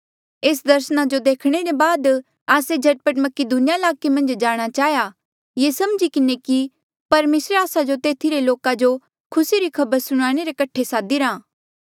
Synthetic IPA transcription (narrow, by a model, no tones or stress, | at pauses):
eːsd̪ɐɾsənad͡ʒod̪eːkʰɽ̃eɾebaːd̪ | aːsed͡ʒʱɐʈ̚pəʈmɐked̪unɪjaɪlaːkemɐ̃nd͡ʒd͡ʒaːɽ̃at͡ʃaːja | jeːsɐmd͡ʒikɪneki | pɐɾmeːsɾeaːsad͡ʒot̪eːt̪ʰiɾeloːkad͡ʒo | kʰʊsiɾikʰɐbəɾsʊɽ̃aːɽ̃eɾekɐʈʰːesaːd̪iɾãː